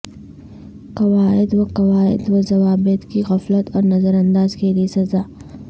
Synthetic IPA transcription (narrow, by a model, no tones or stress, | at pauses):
kɐwaːɪd̪wɐqɐwaːɪ̰d̪wazɐʋaːbɪt̪kiɣɐflət̪ʰɔːɾnɐzəɾɐ̃nd̪aːzkeliesɐzaː